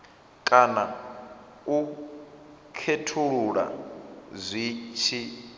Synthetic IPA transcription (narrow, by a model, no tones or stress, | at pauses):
kʼana | u | kʰetʰuɺuɺa̰zʷit͡ʃʰi